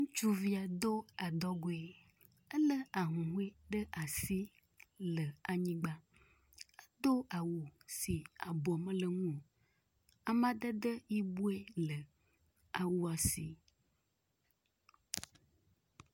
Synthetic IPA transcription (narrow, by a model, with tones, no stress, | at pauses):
ŋũ˦t͡ʃu˦vi˦a˨d̪o˦a˨d̪ɔ˦ɡo˦e˨ | ə˦lə˦a˨ɦũ˨ɦu˦e˦ɖə˦ʔa˨si˦ | lə˨a˨ɲĩ˦ɡ͡ba˦ | ə˦d̪o˦a˨wo˨si˨a˨bɔ˨mə̃˦lə˨ŋũ˦o˨ | a˨mã˦ɖ̪ə˦d̪ə˦ji˦bu˦e˦lə˨ | a˨wu˦a˨si˨